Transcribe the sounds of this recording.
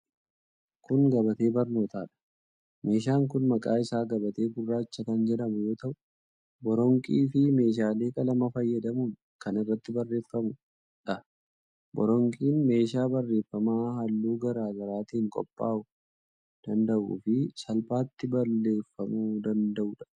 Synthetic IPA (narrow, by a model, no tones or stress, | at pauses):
kʊŋɡɐbɐt̪e̞ːbɐɾno̞ːt̪aːᶑɐ̥ | me̞ːʃ̬aːŋkʊnmɐkʼaːɪsaːɡɐbɐt̪e̞ːɡʊrːaːɪt͡ʃːɐkɐnd͡ʒɛᶑɐmʊjo̞ːt̪ɐʔʊʊ | bɔɾɔŋkʼiːfɪme̞ːʃ̬aːle̞ːkʼɐlɐmɐfɐjːɐd̪ɐmun | kɐnɪrːɐt̪ːɪbɐrːe̞ːfːɐmʊ | ᶑɐ | bɔ̰ɾɔŋkʼiːnme̞ːʃ̬aːbɐrːe̞ːfːɐmaːɦɐlːuːɡɐɾaːɡɐɾaːt̪iːŋkʼɔ̰pʼːa̰ːʔʊ | d̪̥ɐnd̪ɐʔṵːfɪsɐlpaːt̪ːɪbɐlːe̞ːfːɐmud̪ɐnd̪ɐʔuːᶑɐ̥